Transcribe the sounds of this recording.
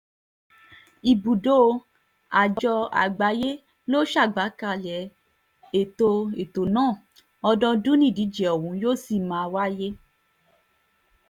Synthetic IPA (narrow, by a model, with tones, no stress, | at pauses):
i˨bu˨do˦˧ | a˨d͡ʒd͡ʒɔ˧a̰˨ɡ͡ba˨˦je˦ | lo˦ʃa˦˨ɡ͡ba˨˦ka˧˨lɛ˨˦ | e˨to˧e˨to˨nãː˦˨ | ɔ˧dɔ̃˧dũ˦nĩ˦˨di˨˦d͡ʒɛ˨ɔ˨wũ˨˦joː˦si˦˨mã˨˦˧wa˦je˦